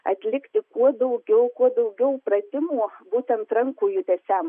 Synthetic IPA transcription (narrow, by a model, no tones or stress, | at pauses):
ɐ̰t̪ʲlʲɪkt̪ʲɪkuɔd̪ɐʊɡʲɛʊkuɔd̪ɐʊɡʲɛʊpɾɐt̪ʲɪmuːbuːt̪ʲɛnt̪ɾɐŋkuːjʊt̪ʲɛsʲɛm